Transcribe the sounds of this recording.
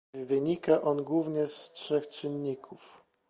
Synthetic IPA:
vɘɲikaʔɔnɡwuvɲɛstʂɛxt͡ʂɘnːikʰuf

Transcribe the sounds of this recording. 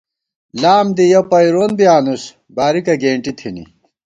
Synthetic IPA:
laːmd̪ijɐpɐjɾoːnbjaːnus | baːɾikɐɡeːɳʈit̪ʰinḭ

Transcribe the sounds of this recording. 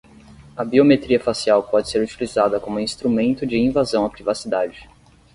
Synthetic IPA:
ɐbiomet̪ɾiɐfasiawpɔd͡ʒɪseɾut͡ʃilizad̪ɐkõmʊĩst̪ɾumẽnt̪ʊd͡ʒɪĩvazɐ̃w̃ɐpɾivasid̪ad͡ʒɪ

